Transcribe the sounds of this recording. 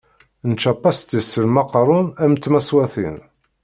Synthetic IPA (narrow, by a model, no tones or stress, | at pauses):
nt͡ʃːɑpːɑst̪isəlmɑqɾˤʊnæmt̪ːmæswæθḭn